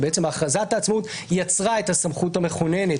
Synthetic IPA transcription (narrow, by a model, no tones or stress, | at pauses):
beet͡se̞maːχazat̪aːt͡smut̪ | jat͡sʁae̞t̪hasamχutame̞χone̞ne̞